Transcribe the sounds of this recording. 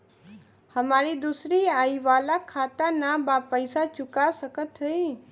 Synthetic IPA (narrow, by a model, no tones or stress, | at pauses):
həmaːɾid̪uːsɾiaːiʋaːlakʰaːt̪anabaːpəɪsat͡ʃʊkasəkət̪ɦei